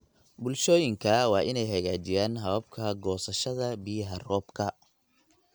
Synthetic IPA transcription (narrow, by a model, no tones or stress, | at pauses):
bʊlʃɔːjɪŋkʰɐwɑːʔɪnɛjɦɐɣaːt͡ʃɪjaːnɦɐβɐb̚kʰɐɡɔːsɐʃɐðɐbɪjɐɦɐrɔːbkʰɐ